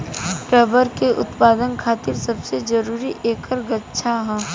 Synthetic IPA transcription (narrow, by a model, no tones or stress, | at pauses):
ʈɾɛːbəɾkeʔʊt̪paːd̪ənkʰaːt̪ɪɾsɐbsed͡ʒɐɾuːɾiʔeːkəɾɡɐtːʃʰaɦɛ̃ː